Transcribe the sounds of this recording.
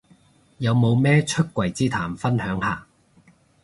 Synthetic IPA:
jɐ˨˧wmo˨˧wmɛː˥t͡ʃʰɵ˥t̚kʷːwɐ˨˩jt͡siː˥t̪ʰaː˨˩mfɐ˥nhœː˨˥ŋhaː˨˩

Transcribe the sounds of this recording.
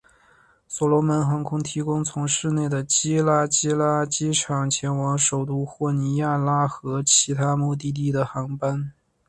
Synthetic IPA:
swɔ˨˩lɔ˧˥mə˧˥nxɑ˧˥ŋkʰʊ˥ŋt̪ʰi˧˥kʊ˥ŋt͡sʰʊ˧˥ŋʂɻ̩˥˧ne˥˩ɪd̪ə˩t͡ɕi˥la˥t͡ɕi˥la˥t͡ɕi˥ʈ͡ʂʰɑ˨˩ŋt͡ɕʰjɛ˧˥nwɑ˧˥ŋʂo˨˩ʊt̪u˥˧xwɔ˥˩ni˧˥ja˥˩la˥xɤ˧˥t͡ɕʰi˧˥t̪ʰa˥mu˥˧t̪̬i˥˧t̪̬i˥˩d̪ə˩xɑ˧˥ŋpa˥n

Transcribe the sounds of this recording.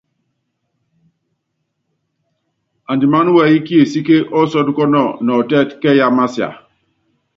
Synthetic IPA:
a˨ndi˨ma˦n˦wɛ˦i˦ki˦e˨si˦ke˦ʔɔ˦sɔ˦du˦kɔ˦nɔ˨nɔ˨tɛ˦˨tkɛ˦ja˦ma˦si˨a̰˨

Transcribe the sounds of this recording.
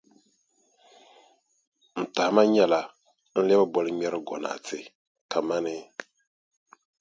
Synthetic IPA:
n̩˨ta˨hɪ˨ma˦ɲɛ˦la˨ | n̩˦lɛ˦ba˦bɔ˨lɨ˦mɛ˦ɾɨ˦ɡɔ̰˨na̰˨tɪ˨ | kʰa˨ma˦nɪ˦

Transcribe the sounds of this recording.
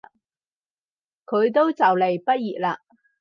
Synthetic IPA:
kʰɵ˨˧ɥt̪̬o˥wt͡sɐ˨wle˨˩jpɐ˥t̚jiː˨t̚laː˧

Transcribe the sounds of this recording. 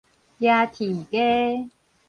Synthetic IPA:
jja˧t̪ʰi˨˩ke˦

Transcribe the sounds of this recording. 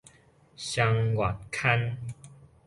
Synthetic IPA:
ɕja˧ŋwa˨˩t̚kʰa˦n

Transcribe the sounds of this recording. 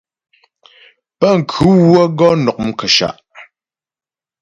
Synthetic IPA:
pə˦˨ŋ̩˨kʰʉ˨˦wwə˦ɡɔ˦nɔ˨k̚m̩˦˨kə˨ʃa̰˨ʔ

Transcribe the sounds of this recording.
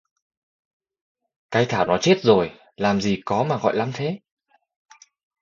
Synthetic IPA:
kaː˨˦jt̪ʰaː˧˩wnɔ˨˦t͡ɕe˦˥t̚zo˨˩j | laː˨˩mzi˨˩kɔ˨˦maː˨˩ɣɔ̰˧˨jla˨˦mt̪ʰe˨˦

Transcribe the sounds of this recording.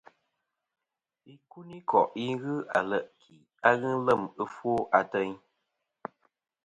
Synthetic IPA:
i˦ku˦ni˦kɔ̰˨ʔi˦ɣɨ˦a̰˨lə˦˨ʔkʰi˨ | a˦ɣɨ˦lə˦˨mɨ˦fwo˦ʔa˨tɛ˦ɲ

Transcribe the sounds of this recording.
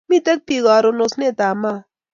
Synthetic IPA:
mi˦t̪ɛ˦k̚pi˨ɣaː˨ɾo˦no˧sne˦˨t̪aː˨ma˦˨

